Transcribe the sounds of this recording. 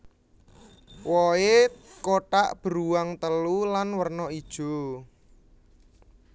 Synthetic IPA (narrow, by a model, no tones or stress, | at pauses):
wɔekoʈaʔb̥əɾuwaŋt̪əlulanwərnɔid̥ʒ̥o̤